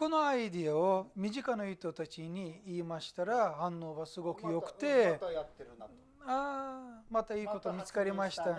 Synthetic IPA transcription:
ko̞no̞aid̪iaomʲiʑikanaɯt̪o̞t̪at͡ɕiɲ̟iiːmaɕi̥t̪aɾahãnːo̞ːβasɨɡo̞kɯ̟jo̞kɯ̟̥t̪e̞ | aːmat̪aiːko̞t̪omʲit͡sɨ̥kaɾʲimaɕi̥t̪a

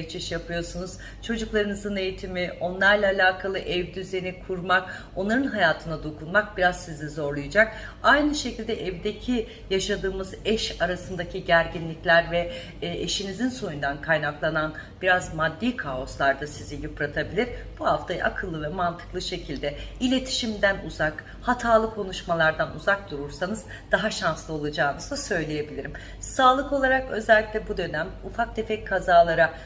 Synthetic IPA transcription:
t͡ʃʰiʃjapʰɯjo̞sunuz̥ | t͡ʃʰo̞d͡ʒuklˠaɾɯnɯzɯne̞jit̪ʰimio̞nlˠaɾlʲˠaːlʲaːkʰalˠɯʔɛvd̪yzenikʰuɾmak | o̞nlˠaɾɯnɦajaːt̪ʰɯnad̪o̞kʰunmak̚biɾazsizizo̞ɾlˠujad͡ʒak̚ | ajnɯʃe̞cilʲd̪ɛʔɛvd̪ecʰi | jaʃad̪ɯːmɯzɛʃaɾasɯnd̪acʰiɟæɾɟinlʲiclʲæɾvɛ | eʃinizinso̞nund̪ankʰajnaklˠananbiɾazmad̪ːiːkʰao̞slˠaɾd̪asizijupɾat̪ʰabilʲiɾb̥uhaft̪ʰaj̰ʔa̰kʰɯlˠːɯvɛmant̪ʰɯ̥klˠɯʃe̞cʰilʲd̪ɛilʲe̞t̪ʰi̥ʃimd̪ænuzak | hat̪ʰaːlˠɯkʰo̞nuʃmalˠaɾd̪anuzak̚d̪uɾuɾsanɯz | d̪̥aɦaʃanslˠɯo̞lˠad͡ʒaːnɯzd̪asø̞jlʲeje̞bilʲiɾim | saːlˠɯko̞lˠaɾakø̞zɛlʲːiclʲɛbud̪ø̞næmufak̚d̪efɛckʰːazaːlˠaɾa

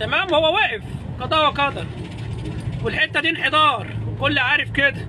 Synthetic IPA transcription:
t̪æmæːmhowːæwæːʔef | kɑd̪ˤɑːwækɑd̪ɑ | welħet̪ːæd̪iːnħed̪ˤɑːɾˤwekolːʕaːɾefked̪æ

